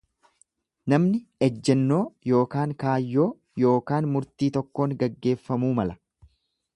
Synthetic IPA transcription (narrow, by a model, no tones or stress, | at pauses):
nɐmnɪɛd͡ʒːɛnːo̞ːjo̞ːkaːŋkaːjːo̞ː | jo̞ːkaːnmʊɾt̪iːt̪ɔkːo̞ːŋɡɐɡːe̞ːfːɐmuːmɐlɐ̥